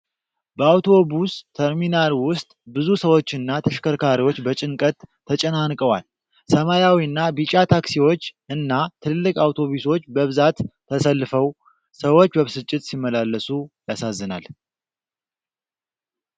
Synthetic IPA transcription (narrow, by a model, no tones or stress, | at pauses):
bəawt̪ʰo̞bust̪ʰəɾminalwʊst̪ʼbɨzusəwo̞t͡ʃːɨnːat̪ʰəʃkəɾkʰaɾiwo̞t͡ʃːbət͡ʃʼɪŋkʼət̪ʰː | ət͡ʃʼənankʼəwal | səmajawiɨnːabit͡ʃʼat̪ʰaksiwo̞t͡ʃːɨnːat̪ʰɨllːɨkʼawt̪ʰo̞βuso̞t͡ʃːbəβɨzat̪ʰː | əsəlːɨfəw | səwo̞t͡ʃːbəβsɨt͡ʃʼːɪt̪simːəlalːəsujasazːɨna̰l